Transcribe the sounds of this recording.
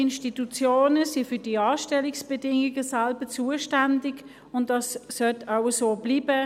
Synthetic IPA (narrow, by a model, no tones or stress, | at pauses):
ɪnʃtitut͡sjoːnəsifydiɑːʃtɛliksb̥ɛdɪŋiɡəsalbət͡suːəʃtandɪɡ | ʊntdɑsːœtʰaʊəsoːb̥liːbə